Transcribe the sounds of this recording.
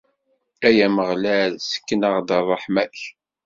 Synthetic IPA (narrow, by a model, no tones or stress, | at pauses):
æjæməʁlæðsə̥kːənəʁd̪ərˤəħmæç